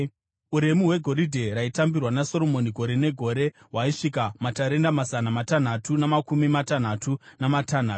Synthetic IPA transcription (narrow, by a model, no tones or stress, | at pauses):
uɾe̞miɦwe̞ɡʱo̞ɾidʱe̞ɾaitambirwanaso̞ɾo̞mo̞niɡʱo̞ɾe̞ne̞ɡʱo̞ɾe̞ | ɦwaiʂikamataɾe̞ndamazanamatan̤atunamakumimatan̤atunamatan̤aːtu